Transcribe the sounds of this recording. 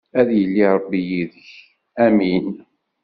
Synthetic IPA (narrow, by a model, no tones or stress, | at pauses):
æðjəlːiɾˤəbːijiðəç | æmin